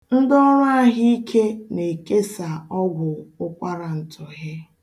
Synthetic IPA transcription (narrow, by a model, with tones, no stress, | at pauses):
n̩˦dɔ˦la˦˨ɦi˦i˦kʰe˦ne˨ke˦sa˨ɔ˦ɡʷʊ˨ʊ˦kʷa˦ɾa˨n̩˨tʰʊ˨ɦɪ˦